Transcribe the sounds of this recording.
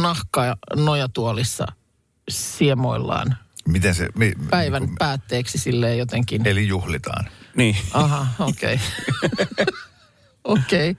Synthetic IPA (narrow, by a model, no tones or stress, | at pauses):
nɑhkɑɑnojɑt̪uolisːɑ̰ | siemoilːɑ̰ːnmit̪ẽnsḛmipæiʋænppæːt̪ːeːksisilːeːjot̪eŋkinelijuhlit̪ɑ̰ːnniːɑɦɑoːkḛi | okei